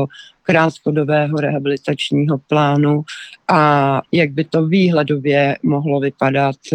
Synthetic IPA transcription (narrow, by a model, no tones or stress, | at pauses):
okɾaːt̪kodobɛːɦo̞ɾɛɦabɪlɪt̪at͡ʃɲiːɦoplaːnuʔajaɡ̚bɪt̪oviːɦlɛdovjɛmoɦlovɪpadat̪